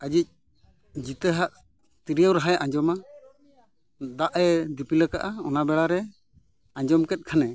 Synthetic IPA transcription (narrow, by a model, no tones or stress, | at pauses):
ad͡ʒic̚ | d͡ʒit̪əɦaʔ | t̪iɾijəwɾaɦajãɲd͡ʒɔma | d̪aʔɛd̪ipiləkaʔaɔnabɛɽaɾɛ | aɲd͡ʒɔmkɛt̪̚kʰanɛ